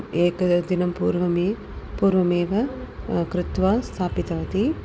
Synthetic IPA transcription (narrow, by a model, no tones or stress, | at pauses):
eːkɐd̪inɐmpuːɾʋɐmi | puːɾʋɐmeːʋɐkɾɪt̪ʋaːst̪ʰaːpit̪ɐʋɐt̪i